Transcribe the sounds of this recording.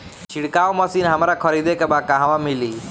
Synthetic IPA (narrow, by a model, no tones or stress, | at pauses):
t͡ʃʰiɽkaːʋmɐsiːnɦɐmɾakʰɔɾid̪ekebakaɦʋãmiliː